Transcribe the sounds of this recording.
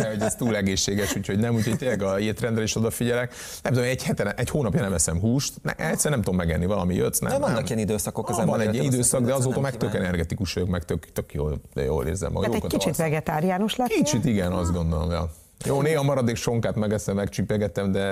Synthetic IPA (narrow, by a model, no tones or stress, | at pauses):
ɛhoɟɛst̪uːlɛɡeːʃːeːɡɛʃuːcʰo̞ɟnɛmuːcʰho̞ɟt̪eːlːɛɡɒeːt̪ɾɛnd̪rɛliʃo̞d̪ɒfiɟɛlɛk | nɛ̃mt̪ud̪omenɛchɛt̪ɛɾɛʔɛchoːnɒpjɒnɛmɛsɛmɦuːʃt̪nɛ̰ʔɛcsɛɾɛnɛmt̪ud̪omːɛɡɛnːivɒlɒ̰mijø̰t̪snɛ̰ɛvɒnːɒkiɛnid̪øːsɒkokzɛvɒnnɛɟiɛid̪øːsɒɡ̚d̪ɛɒzoːt̪ɒmɛkt̪økɛnɛrɡɛt̪ikuʃoøkmɛkt̪økt̪økjo̰ːljo̰ːlḛːrzɛ̰mɒ̰joɛkkit͡ʃit̪vɛɡɛt̪aːɾiaːnoʃlɛkit͡ʃit̪iɡɛnɒzd̪ɡo̞nd̪olo̰mjɒ̰ | joːneːɦɒmɒɾɒd̪eːkʃo̞ŋkaːt̪mɛɡɛsɛmːɛkt͡ʃipɛɡɛt̪ɛmd̪ɛ